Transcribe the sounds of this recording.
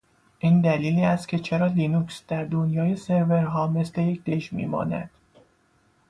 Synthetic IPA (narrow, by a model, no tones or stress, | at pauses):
ʔiːnd̪æliːliːæst̪cʰe̞t͡ʃʰe̞ɾɒːliːnuksd̪̥æɾd̪onjɒːje̞se̞ɾve̞ɾɦɒːme̞sle̞je̞cʰd̪̥e̞ʃmḭːmɒ̰ːnæ̰d̪̥